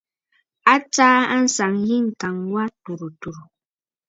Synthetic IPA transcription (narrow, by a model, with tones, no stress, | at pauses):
a˦t͡ʃaː˦a˦n̩˦sa˨ŋji˦ŋ˨ka˨ŋwa˦tu˨ɾu˨tu˨ɾu˨